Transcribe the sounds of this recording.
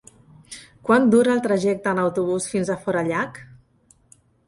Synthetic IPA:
kwand̪uɾəːlˠt̪ɾəʒɛk̚t̪əːnəwt̪uβ̞usfinzəfɔɾəʎak

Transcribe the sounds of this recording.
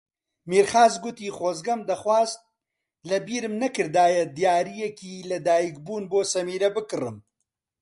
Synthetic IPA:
miːɾχaːzɡʊt̪iːχoːzɡɐmd̪ɐχwaːzt̪̚ | lɐbiːɾɨmnɐkɨɾd̪aːjɐd̪jaːɾijɛkiːlɐd̪aːjikbuːnboːsɐmiːɾɐbɨkɨrɨ̰m

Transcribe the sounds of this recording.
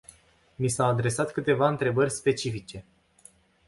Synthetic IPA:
nisawad̪ɾe̞sat̪kɨt̪e̞vaɨnt̪ɾe̞bərʲspe̞t͡ʃifit͡ʃe̞

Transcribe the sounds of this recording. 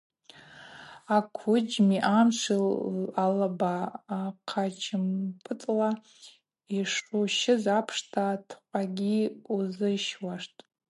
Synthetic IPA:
akʷʰʊd͡ʒmiʔamʂʷʰilalabaːqʰad͡ʒt͡ʃʰɪmpʰʼɨt͡sʼla | iʂuʃɪzapʰʂtʰatʰqʷʼaɡʲiuzɨʃwaʂtʼ

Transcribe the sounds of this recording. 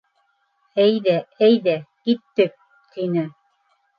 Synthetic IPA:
æjðææjðækit̪ːɘk̚ | t̪ʰinɘ

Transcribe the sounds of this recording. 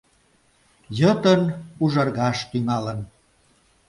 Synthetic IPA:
jət̪ənuʒɑrɣɑʃt̪yŋɑlən

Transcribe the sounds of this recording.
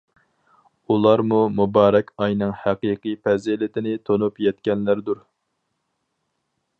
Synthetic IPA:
ulˠɑɾmumubɑːɾɛkʲɑjnɨŋhæqiqʰɨpɛzilɪt̪ʰɪnɪt̪ʰonupjɛt̪kʲɛnlæɾd̪uɾ

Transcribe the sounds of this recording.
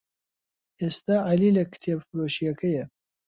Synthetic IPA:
ʔeːst̪aːʕalilɐkʰɨ̥t̪ʰebfɨɾoːʃijɐkɐjɐ

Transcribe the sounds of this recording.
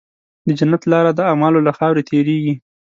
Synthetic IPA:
d̪əd͡ʒanːat̪lɑɾad̪əamɑlolaxɑwɾet̪ʰeɾeɡi

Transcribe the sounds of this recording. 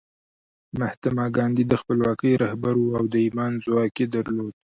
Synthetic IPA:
maht̪amɑɡɑnd̪id̪əxpəlwɑkəjɾahbaɾuawd̪əimɑnzʊwɑked̪aɾlod̪̚

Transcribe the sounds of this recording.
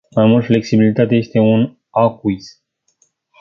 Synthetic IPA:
majmult̪fle̞ksibilit̪at̪eje̞st̪e̞un | akuis

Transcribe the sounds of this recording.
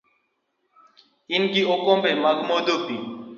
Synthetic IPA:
ɪnkioːkõːpeːməɡmoːd̪oːpiː

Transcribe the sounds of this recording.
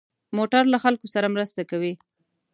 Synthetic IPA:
moʈaɾlaxalkosaɾamɾəst̪akawi

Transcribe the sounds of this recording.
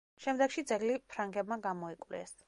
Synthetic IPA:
ʃɛmd̪ɛkʃid̪zɛɡlipʰɾaŋɡɛbmaɡamɔikʼwlɛ̰s

